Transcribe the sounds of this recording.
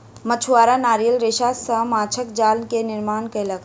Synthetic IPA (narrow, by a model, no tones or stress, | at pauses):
mət͡ʃʰuwaːɾanaːɾijəlɾeːʃaːsəmaːt͡ʃʰəkd͡ʒaːlnkenɪɾmaːnkələɡ